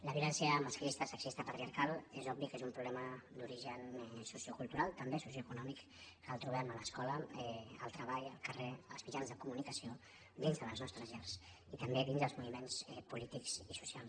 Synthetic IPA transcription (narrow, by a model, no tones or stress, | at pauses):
ləβjulɛnsjəməskɾist̪əsəksist̪əpət̪ɾiaɾkalˠezɔbikezumpɾuβlɛməd̪uɾiʒənsusiokulˠt̪uɾalˠt̪əmbesusjoəkunɔmik | kəlˠt̪ɾuβɛmələskɔləɛəlˠt̪ɾəβaʎəlˠkəreəlˠzmid͡ʒanzðəkumunikəsio | d̪inzðələznɔst̪ɾəzʎɛrs | it̪əmbeðinzðəlzmuβimensɛpulit̪ikzisu̥sialˠ